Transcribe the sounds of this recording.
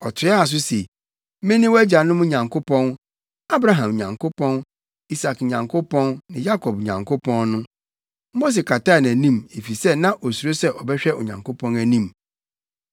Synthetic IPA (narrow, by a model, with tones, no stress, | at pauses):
ɔ˨tʰɪ˨˦a˨s̬ʊ˦se˨˦ | mɪ̃˦nɪ̃˦wɔ˦æ˦d͡ʑa˨nʊ̃˦mʊ̃˦ɲã˨ŋkʰo˦pʰɔ̃˦n | a˦bɾa˦ɦã˨m˨ɲã˨ŋkʰo˦pʰɔ̃˦n | i˦sa˨kɲã˨ŋkʰʊ˦pʰɔ̃˦nnɪ̃˨ja˦kʰɔ˨b̚ɲã̰˨ŋkʰʊ˦pʰɔ̃˦nnʊ̃˦ | mo˦s̬e˨kʰa˨ta˦˨næ̃˨nĩ˦me˨fi˨sɛ˦nã˦ʔɔ˨su˨ɾo˦sɛ˦ʔɔ˨bɛ˦ɕᶣɛ˦ɔ̰˨ɲã̰˨ŋkʰo˦pʰɔ̃˦næ˨nĩ˦m